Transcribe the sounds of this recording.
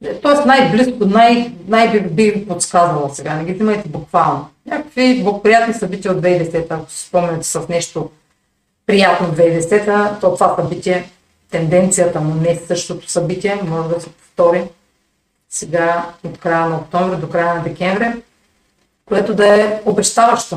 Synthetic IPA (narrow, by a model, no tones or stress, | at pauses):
ɛt̪ɔɛsnajbliskonajnajbibiot̪skazvɐlˠsɛɡanɛɡʲizimɐjt̪ɛbukvalˠnoɲʲakə̥kviblˠɡopɾijat̪nisɐbit̪ʲijəod̪vɛid̪ɛsɛt̪əːko̥si̥spɔmnɛnɛt̪ɛ̥sɐfnɛʃt̪o | pɾijat̪nod̪vɛid̪ɛsɛt̪ət̪ot̪ovasɐbit̪ʲiɛ | t̪ɛnd̪ɛnt̪sijət̪ɐnonɛsɤʃt̪ot̪o̥sɐbit̪ʲiɛmɔʒɛd̪ɐsɛ̥po̥ft̪ɔɾim | sɛɡaot̪kɾajənɐok̚t̪ɔɱvɾɛd̪okɾajənɐd̪ɛkʲɛɱvɾɛ | koɛt̪od̪ɐɛobɛʃt̪avɐʃt̪o